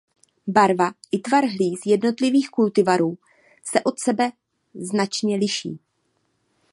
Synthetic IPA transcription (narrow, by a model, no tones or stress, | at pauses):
baɾvaʔɪt̪vaɾɦliːsjɛdno̞t̪lɪviːxkult̪ɪvaɾuː | sɛʔo̞t̪sɛbɛ | znat͡ʃɲɛlɪʃḭː